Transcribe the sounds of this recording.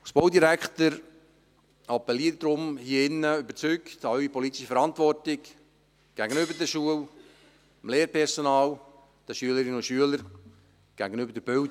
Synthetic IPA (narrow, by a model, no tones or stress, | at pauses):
sb̥oʊdiɾækχt̪əɾ | ɑpːɛliːəɾdɾʊmhiɪnːəybəɾt͡syktɑɥipɔlitɪʃəfəɾɑntʋɔrtɪk | ɡ̥æɡənʏbəɾdəʃuəl | əmleːɾpʰɛɾsɔnɑːl | d̥əʃyələɾɪnʊʃyələɾ | ɡ̥æ̰ɡənøbəɾdəb̥ʏl